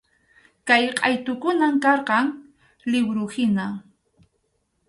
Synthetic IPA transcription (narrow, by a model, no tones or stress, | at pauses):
kajqʼɑjt̪ʊkʊnamkɑɾqɑŋ | lɪbɾʊhɪna